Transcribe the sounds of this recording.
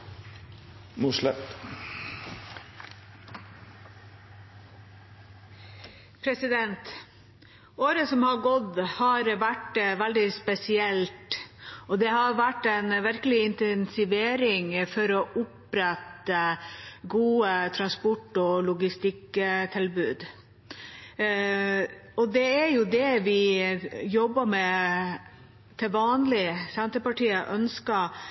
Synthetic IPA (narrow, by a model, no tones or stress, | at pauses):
muʂlɛt̪ | pʰɾɛsɪd̪ɛnt̪ | oːɾəsɔmhɑɡɔd̪hɑɾʋæʈʋæld̪ɪspɛsɪɛlt̪ɔd̪ɛhɑɾʋæʈːɛɪnʋɪɾkəlɪɪnt̪ɛnsɪʋeːɾɪŋfɔɾɔʔʊpɾɛt̪əɡuːət̪ʰɾɑnspɔʈːɔlʊɡɪst̪ɪkt̪ʰɪlbʉːd̪ | ɔd̪ɛæɾjʊd̪ɛʋɪ | jɔbːəmɛ | t̪ʰɪlʋɑːnlɪsɛnt̪əpɑʈiːəʔœnskɑ